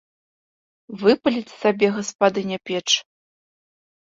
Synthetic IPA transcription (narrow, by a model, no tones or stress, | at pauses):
vɨpɐlʲit͡sʲsabʲɛɣɐspad̪ɨnʲɐpʲɛt͡ʂ